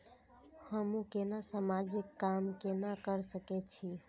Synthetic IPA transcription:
həmũkenasəmad͡ʒikːamkenakəɾsəkɛt͡ʃʰi

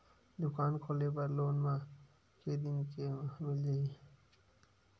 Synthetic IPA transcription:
d̪ʊkaːnkʰoːlep̬ɐɾloːnmã | ked̪ɪnkemɪldeiː

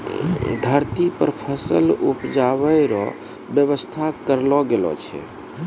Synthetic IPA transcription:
d̪ʱəɾt̪ipəɾpʰəsəlupd͡ʒaβəɾɔ̰ | bjəβəst̪ʰakəɾlɔɡelɔ̰t͡ʃʰɛ̰

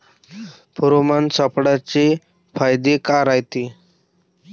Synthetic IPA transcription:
pɔɾomant͡sapɽat͡ɕe | fajd̪ekaɾajt̪e

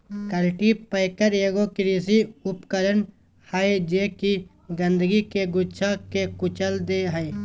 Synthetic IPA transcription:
kəlʈipəjkəɾeːɡokɪɾisiʊpkəɾən | haed͡ʒeːki | ɡə̃nd̪əɡikeɡʊt͡ʃʰakekʊt͡ʃəld̪eɦəj

